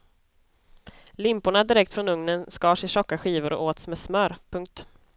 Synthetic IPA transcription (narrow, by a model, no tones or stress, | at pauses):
lɪmpʊɳad̪ɪɾɛkt̪fɾɔnɵŋnənskɑːʂɪʂɔkːaɧiːvʊɾɔ̰ʔoːt̪smɛːsmœɾpʰɵŋk̚t̪